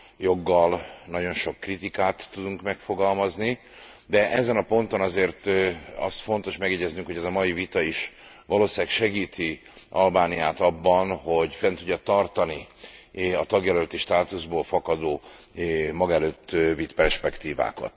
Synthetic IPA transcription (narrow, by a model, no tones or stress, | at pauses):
jo̞ɡːɒlnɒɟo̞nʃo̞kːrit̪ikaːt̪ːud̪uŋkmɛkfo̞ɡɒlmɒzni | d̪ɛʔɛzɛnɒpo̞nt̪o̞nɒzeːrt̪ɒ̰st̪fo̞n̪t̪o̞ʃmɛɡjɛɟɛznyŋkho̞ɟɛzɒmɒjivit̪ɒiʃ | ʋɒloːsaːkʃɛɡiːt̪i | ʔɒlbaːnijaːt̪ɒbːɒnho̞ɟfɛnt̪uɟːɒt̪ɒrt̪ɒni | ɒt̪ɒɡjɛlølt̪iʃt̪aːt̪uzboːlfɒkɒd̪oː | mɒɡɛløːt̪ːvit̪pɛrʃpɛkt̪iːva̰ːkɒ̰t̪